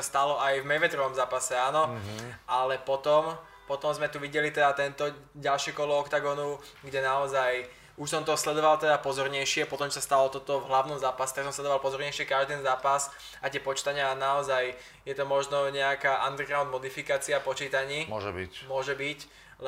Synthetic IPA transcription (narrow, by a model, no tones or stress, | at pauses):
ast̪alɔʔajvmɛjʋɛt̪ɾɔʋɔmzaːpasɛaːnɔʔalɛpɔt̪ɔm | pɔt̪ɔmzmɛt̪uʋiɟɛlit̪ɛd̪at̪ɛnt̪ɔɟalʃɛkɔlɔɔkt̪aɡɔnu | ɡɟɛnaɔzaj | uʃsɔmt̪ɔslɛd̪ɔʋalt̪ɛd̪apɔzɔɾɲɛjʃɪɛpɔt̪ɔmuʃsast̪alɔt̪ɔt̪ɔvɦlaʊnɔmzaːpasɛ̥t̪aksɔmslɛd̪ɔʋalpɔzɔɾɲɛjʃɪɛkaʒd̪ɛnzaːpas | ʔat̪ɪɛpɔt͡ʃi̥t̪aɲɪanaɔzaj | jɛt̪ɔmɔʒnɔɲɛakaːʔand̪ɛɡɾaʊd̪mɔd̪ifikaːt͡siapɔt͡ʃiːt̪aɲiːmʒɛbimʊɔʒɛbic | l